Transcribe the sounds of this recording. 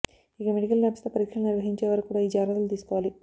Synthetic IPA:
ikɐmeɽikɐlnabɐst̪ɐpɐɾikʂɐmniɾʋɐɦiɲt͡ʃeːʋɐɾɐkukːuːɽaːiːd͡ʒaːɾɐt̪ɐlut̪iːsu̥kɔːʋaːli

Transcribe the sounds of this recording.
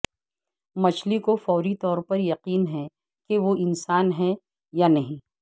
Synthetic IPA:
mɐt͡ʃʰlikofɔːɾit̪ɔːɾpɐɾjɐqiːnɦɛ | keʋoʔɪnsaːnɦɛ | janɐɦĩː

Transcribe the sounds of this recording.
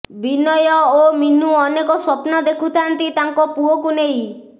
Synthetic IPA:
binɔjɔominuɔnekɔsɔpnɔd̪ekʰut̪ʰant̪it̪aŋkɔpuɔkunej

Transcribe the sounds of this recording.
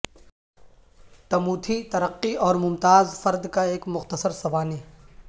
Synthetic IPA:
t̪ɐmuːt̪ʰit̪ɐɾəqːiɔːɾmʊmt̪aːzfɐɾd̪kaeːkmʊxt̪əsəɾsɐbaːneː

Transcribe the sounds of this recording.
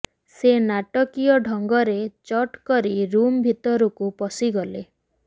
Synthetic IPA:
senaʈɔkijɔɖʱɔŋɡɔɾet͡ʃɔʈkɔɾiɾumbʱit̪ɔɾukupɔsiɡɔle

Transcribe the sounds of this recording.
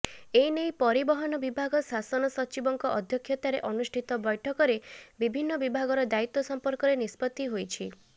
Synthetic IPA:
ejnejpɔɾibɔɦɔnɔbibʱaɡɔsasɔnɔsɔt͡ʃibɔŋkɔʔɔd̪ʱjɔkʰjɔt̪aɾeʔɔnusʈʰit̪ɔbɔjʈʰɔkɔɾebibʱinːɔbibʱaɡɔɾɔd̪ait̪ːɔsɔmpɔɾkɔɾenispɔt̪ːiɦojt͡ʃʰi

